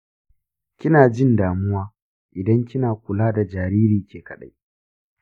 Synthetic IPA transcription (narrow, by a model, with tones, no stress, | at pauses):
kʲɪ˦naː˨d͡ʒɪ˦ndaː˨mʊ˦waː˦ | ʔɪ˨dɐ˦ŋkʲɪ˦naː˨kʷʊ˨laː˦da˨d͡ʒaː˨ɾiː˦ɾiː˨kʲʰeː˨kɐ˨ɗa̰˦j